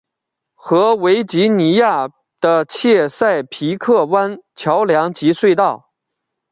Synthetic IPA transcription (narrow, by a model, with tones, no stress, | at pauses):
xɤ˧˥we˧˥ɪt͡ɕi˧˥ni˧˥ja˥˩ | d̪̥ə˧t͡ɕʰjɛ˥˧sa˥˩ɪpʰi˧˥kʰɤ˥˩wa˥nt͡ɕʰjɑ˧˥ʊljɑ˧˥ŋt͡ɕi˧˥swe˥˧ɪt̪ɑ˥˩ʊ